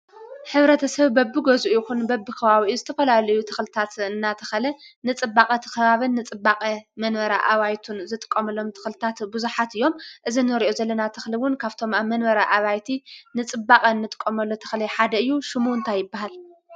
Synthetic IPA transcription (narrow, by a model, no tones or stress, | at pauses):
ħɨβɾɐt̪ʰɐsɐβbɐbːɨɡozuʔjɪxunbɐbːɨkʰɐβaβizɨt̪ʰɐfɐlalɐjut̪ʰɐ̥xlɨt̪ʰat̪ɨnːat̪ʰɐ̥xɐlɐnɨt͡sʼɨbːakʼɐt̪ʰɐ̥xɐβaβɨnːɨt͡sʼɨbːakʼɐmɐnβɐɾaʔaβajt̪ʰunzɨt̪ʼɨ̥kʼːɐmɐlːo̞mt̪ʰɨ̥xlɨt̪ʰat̪buzuħat̪ɨjːo̞mʔɨzinɨɾiʔozɐlːɐnat̪ʰɨxliwʊnkʰaβt̪ʰo̞maβmɐnβɐɾaʔaβajt̪ʰinɨt͡sʼɨbːakʼɐnːɨt̪ʼɨ̥kʼːɐmɐlːo̞t̪ʰɐ̥xlɐħad̪ɐɨjːuʃɪmunt̪ʰajɪbːaɦal